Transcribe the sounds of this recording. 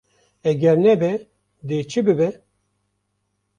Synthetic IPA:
ɛɡʲɛɾnɛbɛ | d̪eːt͡ʃʰɨbɨbɛ

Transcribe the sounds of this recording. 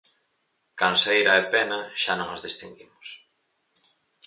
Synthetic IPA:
kansejɾɐepɛnɐʃanõŋazðist̪iŋɡimʊs

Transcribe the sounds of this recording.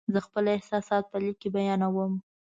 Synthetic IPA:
zəxpəlɪhsɑsɑt̪̚pəlikebajɑnawəm

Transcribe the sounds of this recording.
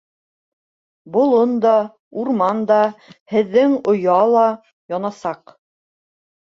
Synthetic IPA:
bŏlˠond̪ɑ | uɾmɑnd̪ɑhɘ̆ðːɘŋŏjɑlˠɑ | jɒnɑsɑq

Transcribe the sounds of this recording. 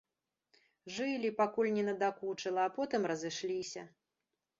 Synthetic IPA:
ʐɨlʲipakulʲnʲɛnɐd̪akut͡ʂɐlˠɐːpɔt̪ɨmrɐzɨʂlʲisʲɐ

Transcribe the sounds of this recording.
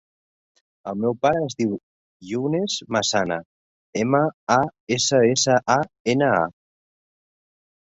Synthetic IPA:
əlˠmɛwpaɾəːzðiw | ʎuwnezmasanə | eməaesəesəʔaenəa̰

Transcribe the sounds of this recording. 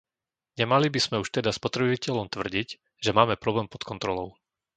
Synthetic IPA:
ɲɛmalibiz̥mɛuʃt̪ɛd̪aspɔt̪ɾɛbicɛʎɔmt̪ʋr̩ɟic | ʒɛmaːmɛpɾɔblɛːmpɔt̪kɔnt̪ɾɔlɔʊ

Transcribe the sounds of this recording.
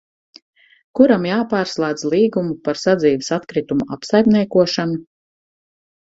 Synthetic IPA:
kuɾamjaːpaːɾslˠaːd̪zlˠiːɡumupaɾsad̪ziːvisat̪kɾit̪umua̰psajmniɛkuɔʃanu

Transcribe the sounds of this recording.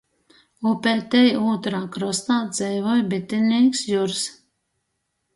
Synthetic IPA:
upɛlt̪ɛjuːt̪ɾaːkɾɔst̪aːd̪z̥ɛjvɔjbit̪ːinʲiːksjuɾs

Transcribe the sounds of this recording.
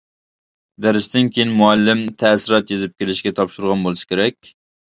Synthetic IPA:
d̪æɾɪsd̪ɪnkʲʰejinmuælːɪmt̪ʰæsɪɾɑt̪jezɪp̚kʲelɪʃɡʲɛt̪ʰɑpʃuɾʁɑnbolˠɨsɪ̥kʲeɾɛkʲ

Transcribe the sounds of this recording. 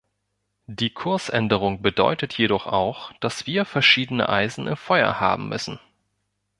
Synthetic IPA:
d̥iːkʰʊɐsʔɛndəʁ̞ʊŋbədɔ̰ʏtətʰjeɾɔχa̰ʊxd̥asv̥iːɐfɛɐʃiːdənə̰ʔaɪzn̩ɪmfɔʏɐ̰ha̰ːbm̩mʏ̰sn̩

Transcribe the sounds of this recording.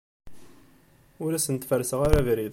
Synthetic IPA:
ʊɾæsənt̪fəɾsəʁaɾævɾið

